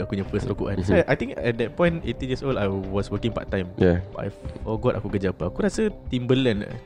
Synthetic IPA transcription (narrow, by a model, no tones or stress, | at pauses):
akuɲãfəsɾokuʔãnsaʔajt̪ĩŋkɛt̚d̪ɛt̚pɔ̃j̃netijiəsoldajwɔswəkɪ̃ŋpa̰ʔ̚t̪ːãjmjaa̰jfɔɡɔta̰kuɡəd͡ʒapaakuɾasət̪imbəlãnə̰